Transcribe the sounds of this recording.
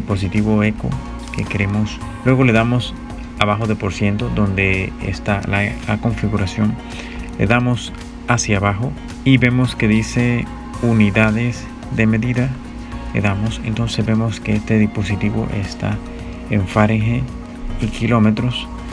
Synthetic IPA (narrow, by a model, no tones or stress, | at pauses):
ipo̞s̬it̪iβo̞e̞ko̞̰ | ke̞keɾe̞mo̞s | lwe̞ɣo̞le̞ðamo̞s | aβaxo̞ðe̞po̞ɾsje̞nt̪od̪o̞nd̪e̞ḛst̪alala̰ko̞ɱfiɣuɾasjo̞n | lḛðamo̞s | asjaβaxo̞ | iβe̞mo̞ske̞ðise̞ | uniðaðes | d̪e̞me̞ðiða | lḛðamo̞sḛnt̪o̞nse̞zbe̞mo̞ske̞est̪e̞ðispo̞sit̪iβo̞̰ʔḛst̪a̰ | eɱfaɾeŋxe | ikilo̞me̞t̪ɾo̞s